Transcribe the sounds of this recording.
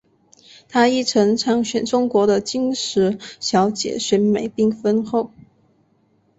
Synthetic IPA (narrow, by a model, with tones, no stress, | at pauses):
t̪ʰa˥i˥˩ʈ͡ʂʰɤ˧˥ŋʈ͡ʂʰɑ˧˥ŋɕɥɛ˨˩nʈ͡ʂʊ˥ŋkwɔ˧˥ɾə˧t͡ɕi˥ŋʂɻ̩˧˥ɕjɑ˧˥ʊt͡ɕjɛ̰˨˩ɕɥɛ˧˥nme˨˩ɪpi˥˩ŋfə˥nxo˥˩ʊ